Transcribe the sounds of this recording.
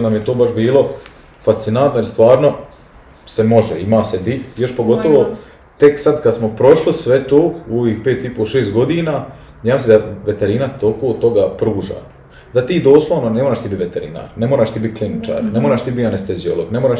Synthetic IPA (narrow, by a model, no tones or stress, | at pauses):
namjet̪oːbaʃbiːlo̞ | fast̪sinant̪nojiɾst̪ʋaːɾno̞ | semo̞ʒeimaːsed̪ijo̞ʃpo̞ɡo̞t̪oʋo̞ | t̪e̞ksad̪kad̪smopɾo̞ʃlisʋet̪oːoʋiːxpeːt̪ipoʃeːst̪̚ɡo̞d̪iːnaː | jaːmsed̪aʋet̪eɾinat̪okoːt̪o̞ɡapɾuːʒa̰ː | d̪at̪iːd̪o̞ːslˠoʋnonemoːɾaːʃt̪ibit̪ʋet̪eɾḭna̰ːɾnemoɾaːʃt̪iːbit̪̚klinit͡ʃa̰ːɾnemoɾaːʃt̪iːbianest̪e̞zio̞̰lo̰ɡnemoɾaːʃ